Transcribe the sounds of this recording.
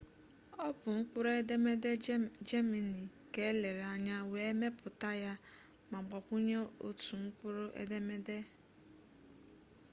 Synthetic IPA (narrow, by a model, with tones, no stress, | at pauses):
ɔ˦pʊ˨ŋ̩˦k͡pʊ˦ɾe˦de˦me˦de˦d͡ʒe˦me˨ni˨ | ke˦le˨ɾa˨ɲa˦we˦me˦pʰʊ˨ta˦ja˦ | ma˨ɡ͡bɔ˨kʷu˦ɲe˦o̰˨tu˨ŋ̩˦k͡pʊ˦ɾo˦ʔḛ˦de˦me˦de˦